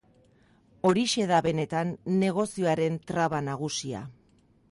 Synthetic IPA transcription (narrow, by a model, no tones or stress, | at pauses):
o̞ɾiʃe̞ðaβe̞ne̞t̪anːe̞ɣ̞o̞sio̞aɾe̞nt̪ɾaβanaɣ̞usia̰